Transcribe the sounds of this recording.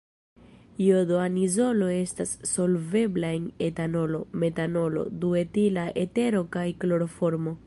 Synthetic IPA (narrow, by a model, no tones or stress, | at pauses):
jodoanizo̞lo̞e̞stasːo̞lve̞blae̞ne̞tano̞lo̞me̞tano̞lo̞̰due̞tilaʔe̞te̞ɾo̞kajklo̞ɾo̞fo̞ɾmo̞